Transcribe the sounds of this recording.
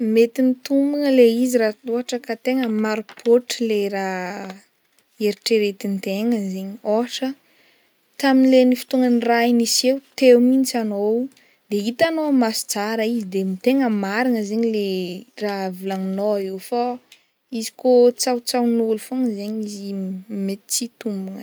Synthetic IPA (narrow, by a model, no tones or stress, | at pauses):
met̪init̪umbuŋəleizirat̪uɦaʈ͡ʂəkat̪eŋəmaɾupʰoʈ͡ʂilera | eɾiʈ͡ʂeɾet̪int̪eŋəzeɲoɦaʈ͡ʂə | t̪aminlenifi̥t̪uŋənrainisewt̪ewmint͡sano | d̪̥eit̪anomasi̥t͡saɾaizid̪emit̪eŋəmaɾiŋəzeɲileravilaŋnoewfa | izi̥kot͡sawt͡sawnulufoŋəzeɲizimet̪i̥t͡sit̪umbuŋə